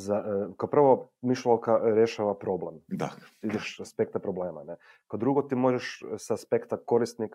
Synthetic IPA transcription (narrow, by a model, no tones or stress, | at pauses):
zakaopr̩ʋamiʃlalkaɾjeʃaʋapɾo̞blemd̪aid̪eʃaspek̚t̪apɾobleːmane | kad̪ɾuɡot̪imo̞ʒeʃsaspe̞kt̪ako̞ɾist̪nik